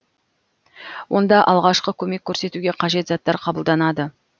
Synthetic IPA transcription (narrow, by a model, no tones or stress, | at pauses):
wʔo̞nd̪ɑʔɑlˠʁɑʃqəkʲʰɵme̞kʲʰːɵɾse̞t̪uɡʲe̞qʰɑʒe̞t̪zɑt̪ːɑɾqʰɑbəlˠd̪ɑnɑd̪ə